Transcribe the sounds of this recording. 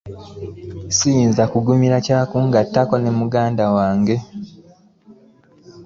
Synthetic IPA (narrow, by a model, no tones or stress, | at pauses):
sijiːnzakuɡumiɾacaːkuːŋɡatːako̞nemuɡaːndawaːŋɡe̞